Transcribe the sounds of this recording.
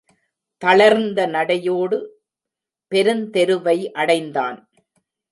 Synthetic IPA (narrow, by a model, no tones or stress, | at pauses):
t̪ɐɭɐɾnd̪ɐnɐɽɐjoːɽɯ | pɛɾɯnt̪ɛɾɯʋɐɪʔɐɽɐɪnd̪a̰ːn